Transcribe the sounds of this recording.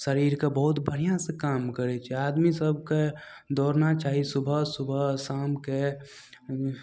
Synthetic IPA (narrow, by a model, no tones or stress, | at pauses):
səɾiːɾkebəɦʊt̪bəɽ̤ijãsẽkaːmkəɾet͡ʃʰɛaːd̪misəbʱke | d̪ɔːɾnat͡ʃaːɦisʊbʱəsʊbʱəsaːmke